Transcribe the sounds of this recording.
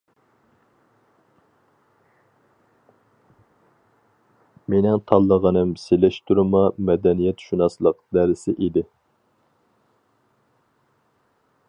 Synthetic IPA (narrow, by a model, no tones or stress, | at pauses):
menɪŋt̪ʰɑlˠːəʁənɨmselɛʃt̪ʰuɾɨmɑmɛd̪ɛnijɛt̪ʃunɑslˠəqd̪æɾɪsɪʔid̪ɪ